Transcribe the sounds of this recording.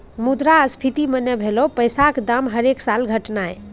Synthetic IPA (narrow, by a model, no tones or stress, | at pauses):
mud̪ɾaəspʰit̪imənːɛbʱelopəjsakd̪amɦəɾeksalɡʱəʈnae